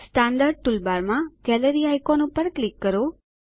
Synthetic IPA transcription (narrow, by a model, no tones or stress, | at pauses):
sʈãnɖ̪aɾɖ̚ʈulbaɾmãɡɛləɾiajkonũpəɾklikːəɾo